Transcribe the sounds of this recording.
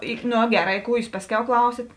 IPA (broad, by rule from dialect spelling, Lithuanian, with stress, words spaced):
ˈɪ ˈnoː ˈɡʲæːˌrɑː ɪ ˈkuː ˈjuːs ˈpɑːsʲˌkʲɛʊ ˈklˠɐʊsʲɪt